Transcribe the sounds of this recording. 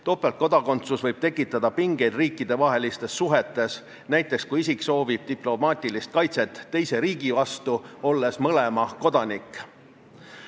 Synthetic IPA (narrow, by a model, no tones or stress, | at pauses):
t̪o̞ːpːˑelt̪ko̞d̪̥ɑko̞nt̪susvɤjb̥̚t̪e̞kːˑit̪ːˑɑd̪̥ɑpiŋɡe̞jd̪̥riːkːˑid̪̥e̞vɑɦe̞list̪e̞sːuɦe̞t̪ːˑe̞s | næjt̪ːˑe̞kskuisikˑso̞ːvib̥̚t̪iplo̞mɑːt̪ʲˑilist̪̚kɑjt̪se̞t̪ːe̞jse̞ɾiːɡ̥ivɑst̪uo̞lːe̞smɤle̞mɑko̞d̪̥ɑnikːˑ